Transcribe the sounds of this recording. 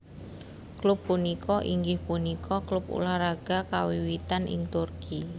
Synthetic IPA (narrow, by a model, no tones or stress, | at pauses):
klʊbːunikʰɔʔiŋɡɪhpunikʰɔklʊpṵlaɾaɡ̥akawiwit̪anʔɪ̰ŋt̪urkʰi